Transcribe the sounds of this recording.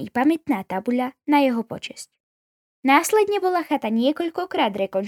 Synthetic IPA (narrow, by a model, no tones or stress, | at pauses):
ipamɛt̪naːt̪abuʎanajɛɦɔpɔ̰t͡ʃɛsc | naːslɛd̪ɲɛbɔlaxat̪aɲɪɛkɔʎkɔkɾaːd̪ɾɛkɔn